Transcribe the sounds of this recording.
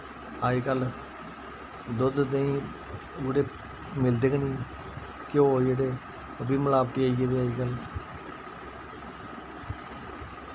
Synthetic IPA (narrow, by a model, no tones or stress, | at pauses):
aːiːkəl | d̪ʊd̪d̪eĩː | oɽeː | mɪld̪eːkniː | kjoːjeɽeː | əbiːməlaːbʈ̪iːaːied̪eːaːiːkəl